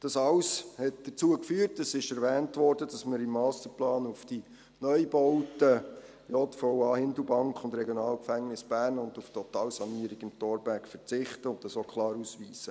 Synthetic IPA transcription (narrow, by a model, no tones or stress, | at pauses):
d̥ɑsɑwshɛt̚d̥ət͡suəkfyːəɾtəsɪʃɛɾvɛːntvɔɾd̥əd̥ɑsmɪɾɪmːɑːst̪əɾplɑːnufd̥i | nœjbɔwtə | jɔtfɔʊɑːhɪndlubɑŋkχʊndɾɛɡjɔnɑːlkfæŋnɪsb̥æːɾnʊnduftʰɔtɑːlsɑniəɾɪɡɪmtoːɾbækfəɾt͡sɪχtəʊnt̚ɑsokʰlɑːɾusʋiːsə